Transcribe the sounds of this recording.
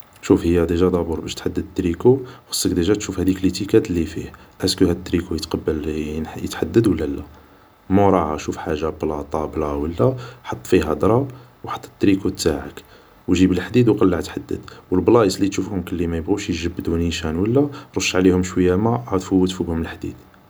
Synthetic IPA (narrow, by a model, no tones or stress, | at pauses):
ʃufhəjːæd̪iʒæd̪ˤɑbuɾˤbæʃt̪ħad̪ːəd̪t̪ːɾikuxɑ̥sˤːəkd̪iʒæt̪ʃufhæd̪iklət̪ikæt̪lifihʔæskuhæd̪ət̪ːɾikujət̪qɑbːəljə̰t̪ħad̪ːəd̪wəlːælæ | muɾˤɑʕaʃufħaʒːablɑt̪ˤɑblɑwəlːæħɑt̪ˤːfiɦæd̪ɾˤɑ | wħɑ̥t̪ˤːə̥t̪ːɾikut̪ːaʕək | wʒibəlħd̪id̪wqɑlːaʕt̪ħad̪ːə̰d̪̥wəlblɑʔəsˤlːit̪ʃufhʊmkəlːimæjəbɣuʃjʒəbːd̪uniʃænwəlːæɾˤoʃːʕlihʊmʃwəjːæmæʕad̪fuwːət̪fubhʊməlħd̪ḭd̪̥